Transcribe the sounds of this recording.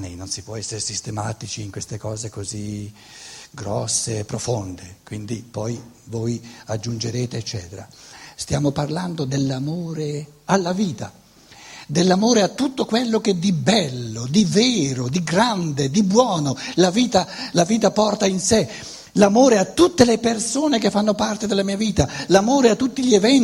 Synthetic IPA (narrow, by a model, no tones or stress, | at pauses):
nejnonsipwɔɛsːeɾesist̪emaːt̪it͡ʃiːŋkwest̪ekɔːzekozi | ɡɾɔsːepːɾofond̪ekwind̪ipɔj | voːjad͡ʒːund͡ʒeɾeːt̪eːt͡ʃːɛːt̪eɾa̰st̪jaːmoparland̪od̪elːamoːɾealːaviːt̪a | d̪elːamoːɾeat̪ːut̪ːokwelːok̟ɛd̪ibɛlːod̪ivɛːɾod̪iɡɾand̪ed̪ibwɔːnolaviːt̪alaviːt̪apɔrt̪ainse | lamoːɾeat̪ːut̪ːelepersoːnekefːanːopart̪ed̪elːamiːaviːt̪alamoːɾeat̪ːut̪ːiʎievɛn